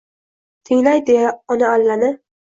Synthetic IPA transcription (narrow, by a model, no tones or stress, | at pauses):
t̪ʰɪŋlajd̪ejaɒnaːlːanɪ